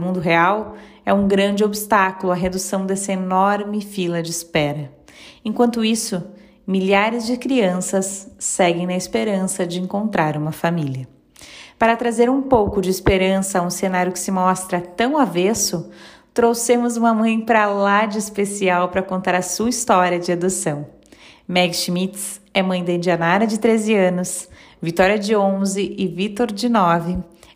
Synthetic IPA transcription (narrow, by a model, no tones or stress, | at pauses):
mũnd̪ʊɦeaw | ɛũɡɾɐ̃nd͡ʒɪobɪst̪akʊlʊɐɦed̪usɐ̃w̃d̪ɛsɐenɔɾmɪfilɐd͡ʒɪːspɛɾɐ | ẽŋkwɐ̃nt̪ʊisʊ | miʎaɾɪzd͡ʒɪkɾiɐ̃sɐsːɛɡẽj̃nɐɪspeɾɐ̃sɐd͡ʒɪẽŋkõnt̪ɾaɾũmɐfamiliɐ | paɾɐt̪ɾazeɾũpowkʊd͡ʒɪːspeɾɐ̃sɐũsenaɾjʊkɪ̥sɪmɔst̪ɾɐt̪ɐ̃w̃avesʊ | t̪ɾowsemʊzũmɐmɐ̃j̃pɾalad͡ʒɪspesiawpɾɐkõnt̪aɾɐsuɐist̪ɔɾjɐd͡ʒɪad̪usɐ̃w̃ | mɛɡʃmit̪sɛmɐ̃j̃d̪ɐẽd͡ʒɪanaɾɐd͡ʒɪt̪ɾezɪɐ̃nʊs | vit̪ɔɾiɐd͡ʒɪõzɪʔɪvit̪oɾd͡ʒɪnɔvɪ